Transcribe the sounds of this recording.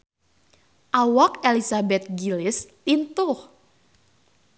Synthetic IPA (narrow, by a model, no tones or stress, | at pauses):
ʔawak̚elisabɛt̪̚ɡilɪst̪int̪ʊh